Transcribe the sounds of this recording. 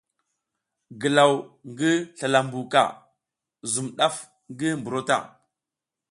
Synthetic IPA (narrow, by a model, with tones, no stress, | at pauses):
ɡə˨la˨wŋɡi˦ɬa˨la˨mbu˨ka̰˨ | zu˨mɗa˦f | ŋɡi˦mbu˨ɾo˦ta̰˦˨